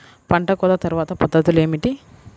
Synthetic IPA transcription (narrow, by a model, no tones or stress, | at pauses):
pɐɳʈɐkɔːlɐt̪ɐɾuʋaːt̪ɐpɐd̪ːɐt̪ule̞ːmiʈi